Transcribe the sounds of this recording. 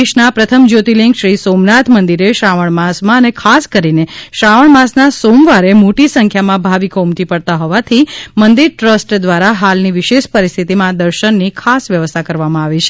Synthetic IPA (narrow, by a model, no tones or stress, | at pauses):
eʃnapɾət̪ʰəmd͡ʒot̪iliŋɡʃɾisomnat̪ʰmənd̪iɾeʃaʋəɳmãsmãənekʰaskəɾineʃaʋəɳmãsnasomʋaɾemoʈisə̃ŋkʰjamãbʱaʋikoumt̪ipəɽt̪aɦɔʋat̪ʰimənd̪iɾʈɾəsʈd̪ʋaɾaɦalniʋɪʃeʃpəɾist̪ʰit̪imãd̪əɾʃənːikʰasʋjəʋəst̪ʰakəɾʋamãaʋit͡ʃʰe̥